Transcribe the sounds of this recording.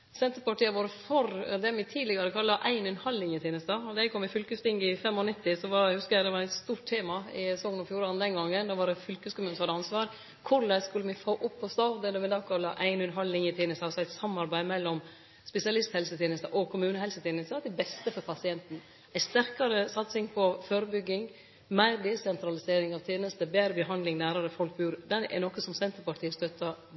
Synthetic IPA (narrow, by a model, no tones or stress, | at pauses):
sɛnt̪əɾpɑʈiːəʋoːɾəfɔɾd̪ɛmɪt̪ʰiːd̪lɪɡɑɾəkʰɑlːɑʔæɪnʉnhɑlːɪŋɪt̪ʰeːnəst̪ɑɔd̪ɑɛkʰɔmːɪfʏlkəst̪ɪŋɡɪfɛmɔnɪt̪ːɪsɔʋɑhʉskəɾɛd̪ɛʋɑɾɛɪt̪st̪uːʈt̪ʰːeːmɑɪsɔŋːənɔfjuːɾɑnd̪ɛnɡɑŋːənd̪ɑʋɑɾɛfʏlkʉːskʰʊmʉːnəsɔhɑd̪əɑnsʋɑːɾ | kʰʊɭæɪskʉlːəmɪfoːʔʊpʰːɔst̪ɑːd̪ɛd̪ɛʋɪd̪ɑːkʰɑlːɑʔæɪnʉnɦɑlːɪŋɪt̪ʰeːnəst̪ɑsɔæɪt̪sɑmːɑɾbæɪmɛlːɔm | spɛsɪɑlɪst̪hɛlsət̪ʰeːnəst̪əʔɔkʰʊmʉːnəhɛlsət̪ʰeːnəst̪əd̪ɛbɛst̪əfɔɾpʰɑsɪɛnt̪n̩ | æɪst̪æɾkɑɾəsɑt̪sɪŋpʰɔføːɾəbʏɡːɪŋ | mæɪɾd̪ɛːsɛnt̪ɾɑlɪseːɾɪŋɑʋt̪ʰeːnəst̪əbeːɾəbəɦɑnd̪lɪŋnæːɾɑɾəfɔlk̚bʉːɾd̪ɛnɛ̰nɔkːəsɔmsɛnt̪əɾpɑʈʰiːəst̪œt̪ʰːɑ